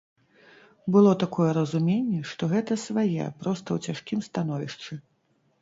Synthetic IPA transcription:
bɨlˠɔt̪akɔjɛɾɐzumʲenʲːɛʂt̪ɔɣɛt̪ɐsvajɛ̰pɾɔst̪ɐwt͡sʲaʂkʲimst̪an̪ɔvʲiʂt͡ʂɨ

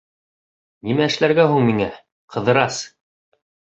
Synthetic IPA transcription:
nimæɘ̆ʃlæɾɡæɦuɴmiŋæ | qʰɤ̆ðɤ̆ɾɑs

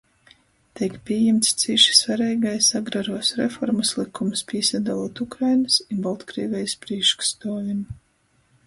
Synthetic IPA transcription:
t̪ikpʲiɛjɛmt̪st̪siʃi̥svaɾɛjɡajsaɡɾaɾuːsɾḛfɔɾmaslˠikʰːumspʲiɛsad̪alˠuɔt̪ukɾajnɨsinbalˠt̪kɾḭːvʲɛjspɾiɛkʃkst̪ɔːjun

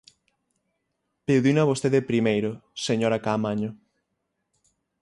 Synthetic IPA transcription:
pewðinaβost̪eðepɾimejɾoseɲoɾakamaɲo

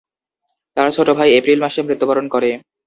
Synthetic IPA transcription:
t̪aɾt͡ɕʰoʈobʱajepɾilmaʃemɾit̪ːobaɾonkoɾe

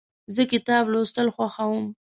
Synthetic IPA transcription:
zəkɪt̪ɑblost̪əlxwaxawəm

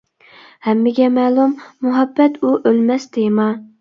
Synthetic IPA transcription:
hɛmːɪɡʲɛmæːlˠumːuɦɑbːɛt̪uʔølmɛsd̪emɑ

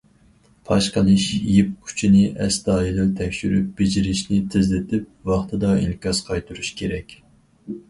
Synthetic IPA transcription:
pʰɑʃqəlˠɨʃjip̚kʲʰy̥t͡ʃʰinɪʔɛsd̪ɑːilɪlt̪ʰɛkʲʃyɾyp̚b̥ɪd͡ʒiɾɪʃnɪt̪ʰɪzlɪt̪ʰɪp̚wɑχt̪ʰɨd̪ɑḭnkʲɑsqʰɑjt̪ʰuɾuʃkʲʰeɾɛkʲ

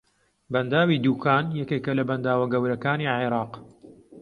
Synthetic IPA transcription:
bɐnd̪aːwiːd̪uːkʰaːnjɛkeːkɐlɐbɐnd̪aːwɐɡɐwɾɐkaːniʕiɾɑːq

